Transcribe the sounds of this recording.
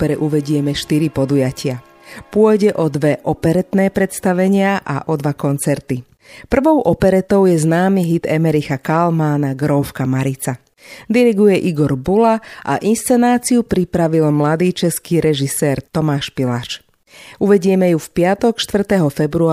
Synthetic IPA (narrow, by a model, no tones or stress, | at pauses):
ɔɾɛʔuʋɛɟɪɛmɛʃt̪iɾipɔd̪ujacʰɪa | pʊɔjɟɛʔɔd̪ʋɛʔɔpɛɾɛt̪nɛːpɾɛt̪st̪aʋɛɲɪaʔa̰ʔɔd̪ʋakɔnt͡sɛɾt̪i | pr̩ʋɔʊʔɔpɛɾɛt̪ɔʊjɛznaːmiɦid̪ɛmɛɾixakalmaːnaɡɾɔfkamaɾit͡sa | d̪iɾiɡujɛʔiɡɔɾbulaʔa̰ʔinst͡sɛnaːt͡siupɾipɾaʋilmlad̪iːt͡ʃɛskiːɾɛʒisɛːɾt̪ɔmaːʃpilaʃ | uʋɛɟɪɛmɛjufpɪat̪ɔkʃt̪ʋr̩t̪ɛɦɔfɛbɾu